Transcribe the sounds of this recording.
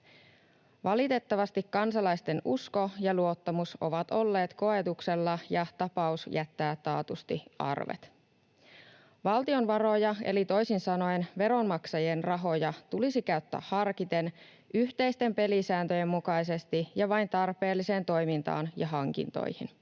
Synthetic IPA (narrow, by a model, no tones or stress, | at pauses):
ʋɑlit̪e̞t̪ːɑʋɑst̪ikːɑnsɑlɑjst̪e̞nusko̞jɑluo̞t̪ːɑmuso̞̰ʋɑt̪o̞lːe̞ːt̪ko̞e̞t̪ukse̞lːɑjɑt̪ɑpɑusjʔæt̪ːæːt̪ːɑːt̪ust̪iɑ̰rʋḛt̪ | ʋɑlt̪io̞nʋɑɾo̞jɑḛlit̪o̞jsinsɑno̞jnʋe̞ɾo̞nmɑksɑjenrɑɦo̞jɑt̪ulisikæyt̪ːæ̰ːhɑrkit̪e̞n | ʔyht̪e̞jst̪e̞mpe̞lisæːnt̪øje̞mːukɑjse̞st̪ijɑʋɑjnt̪ɑrpe̞ːlːise̞ːnt̪o̞jmint̪ɑ̰ːnjɑɦɑŋk̟ḭnt̪o̰jhḭn